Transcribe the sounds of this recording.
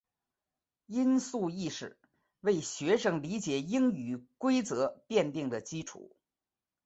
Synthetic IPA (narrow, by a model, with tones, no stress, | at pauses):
i˥nsu˥˧i˥˩ʂɻ̩˨˩ | we˥˩ɪɕɥɛ˧˥ʂɤ˥ŋli˧˥t͡ɕjɛ˨˩˦i˥ŋy˨˩kwe˥ɪt͡sɤ˧˥pjɛ˥˧nt̪i˥˩ŋd̪ə˩t͡ɕi˥ʈ͡ʂʰṵ˨˩˦